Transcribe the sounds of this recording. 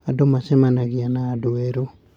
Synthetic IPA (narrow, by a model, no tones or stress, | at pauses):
adomasɛmanaɣianaːdoɛɾo